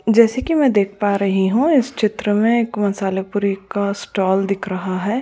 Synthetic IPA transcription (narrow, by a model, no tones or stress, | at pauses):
d͡ʒɛːsekimɛ̃ːd̪eːk̚ʰpaːɾɐɦiɦũɪst͡ʃʰɪt̪ɾəmẽeːkmɐsaːlepuːɾikasʈɔːld̪ɪkʰɾɐɦaɦɛː